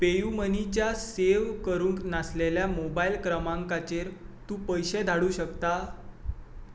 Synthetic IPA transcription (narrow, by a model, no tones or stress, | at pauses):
pejumənit͡ɕjaseʋkəɾuːŋknasleljamobailkɾəmãŋkat͡ɕeɾt̪ũːpəjɕed̪ʱaɽuːɕəkt̪a